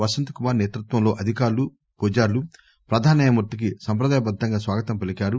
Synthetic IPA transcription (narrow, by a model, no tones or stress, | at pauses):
ʋɐʃɐnt̪u̥kumaːɾneːt̪ɾut̪ʋɐmlo̞ːʔɐd̪ʱikaːɾlu | puːd͡ʒaːɾlu | pɾɐd̪ʱaːnɐːjɐmut̪ːik̬isɐmpɾɐd̪aːjɐbɐd̪ʱːɐŋɡaːsʋaːɡɐt̪ɐmpelikaːɾu